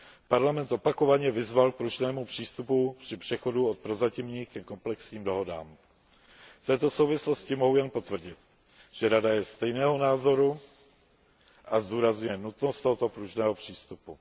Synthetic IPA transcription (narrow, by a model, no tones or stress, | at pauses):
paɾlamɛnt̪ʔo̞pako̞vaɲɛvɪzvalk̚pɾuʒnɛːmupr̝̥iːst̪upupr̝̥ɪpr̝̥ɛxo̞duot̪̚pɾozacɪmɲiːxkɛko̞mplɛksɲiːmdo̞ɦo̞da̰ːm | ft̪ɛːt̪o̞sowvɪslo̞scɪmo̞ɦujɛnpo̞t̪vr̩ɟɪt̪ | ʒ̥ɛɾadajɛst̪ɛjnɛːɦo̞naːzo̞ɾu | ʔazduːɾazɲujɛnut̪nost̪oɦot̪opɾuʒnɛːɦopr̝̥iːst̪upu